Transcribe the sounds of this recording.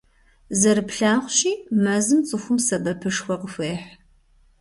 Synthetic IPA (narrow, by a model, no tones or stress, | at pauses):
zɐɾɨpɬaːʁʷɕiːmɐzɨmt͡sʼɨxʷʊmsɐbɐpʰɨʂxʷɔqəfeːħ